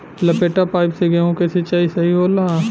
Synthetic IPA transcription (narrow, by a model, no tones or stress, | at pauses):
lɐpeːʈapaːɪpseɡeõkeset͡ʃaːisɐɦiɦoːlaː